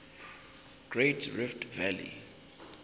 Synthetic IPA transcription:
ɡ̥retʰriftʰvɛlḭ

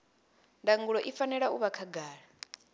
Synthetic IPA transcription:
ndaŋɡuɺɔʔifanɛɺauβakʰaɡaːɺa

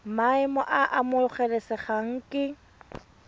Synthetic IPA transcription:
maɪmɔʔaʔamʊχɛlɛsɪχaŋ̩kʼɪ

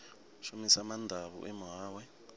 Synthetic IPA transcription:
ʃumisamandʱaβṵʔɛmɔɦaːwɛ

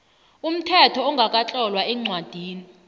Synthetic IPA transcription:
um̩tʰɛtʰɔɔŋɡʱakʼat͡ɬʼɔlwaɛŋ͡ǀwad̥ʱiːni

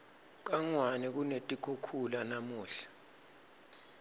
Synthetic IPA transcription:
k̬aŋwanɛk̬unetʼikʰukʰulanamuːɬḁ

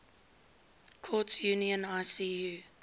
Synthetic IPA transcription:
kʰɔtjuːniə̃naɪsijuː

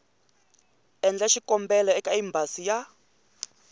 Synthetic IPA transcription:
ɛnd͡ɮɛʃikʼɔmbɛlɛɛkʼaimbʱasija

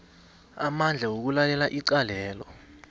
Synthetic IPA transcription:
amand͡ɮʱawok̬ulalɛlaʔiǀalɛːlɔ

